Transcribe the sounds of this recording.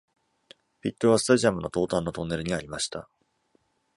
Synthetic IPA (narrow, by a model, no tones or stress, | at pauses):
ɸʲit̪ːo̞βasɨ̥t̪aʑiamɯ̟no̞t̪o̞ːt̪ãnːo̞t̪o̞nːe̞ɾɯ̟ɲ̟iaɾʲimaɕi̥t̪a